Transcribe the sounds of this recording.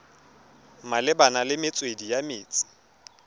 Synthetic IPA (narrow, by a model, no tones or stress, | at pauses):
malɪbanalɪmɪt͡sʼwedijamɪːt͡sʼɪ̥